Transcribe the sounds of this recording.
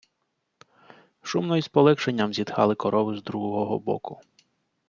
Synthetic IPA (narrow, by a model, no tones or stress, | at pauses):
ʃumnɔjspɔlˠɛkʃenʲːɐmzʲid̪xɑlˠɪkɔɾʔɔʋɪzd̪ɾuɦɔɦɔɦɔ̰bɔ̰kʊ